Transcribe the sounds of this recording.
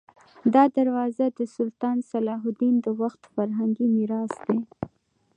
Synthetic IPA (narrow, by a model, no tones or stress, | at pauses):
d̪ɑd̪aɾwɑzad̪əsʊlt̪ɑnsalɑɦʊd̪ind̪əwaxt̪faɾɦaŋɡimɪɾɑsd̪e